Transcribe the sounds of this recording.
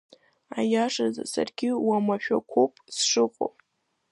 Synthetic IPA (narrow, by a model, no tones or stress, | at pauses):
ajaʂaza̰sa̰rɡʲɪwamaʃᶣakʷʰopʼsʂɨqʷʼo̰pʼ